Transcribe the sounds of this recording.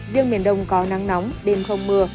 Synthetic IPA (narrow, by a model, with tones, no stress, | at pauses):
vi˧əŋɓḭ˧˩ənɗə˧wŋ͡mkɔ˨˦na˨˦ŋna˨˦wŋ͡mɗe˨˩mxʰə˧wŋ͡mmɨ˧˩ə